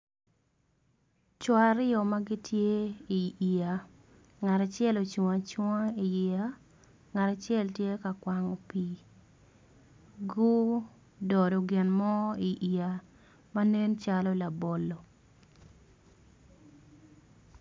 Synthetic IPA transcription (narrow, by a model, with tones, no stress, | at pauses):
t͡ʃɔ˨aɾɪ˦ɔ˨ma˦ɡi˦tje˦i˨i˨a˨ | ŋa˨ta˨t͡ʃjɛ˦lo˨t͡ʃu˨a˨t͡ʃwŋa˦i˨i˨a˦ | ŋa˨ta˨t͡ʃɛ˦ltje˦ka˨kwa˨ŋo˨pi˦ | ɡʊ˦ | dɔ˨do˨ɡɪ˨nmɔ˦i˨ʔi˨a˨ | ma˦ne˦nt͡ʃalɔ˦la˨bo˨lːɔ˨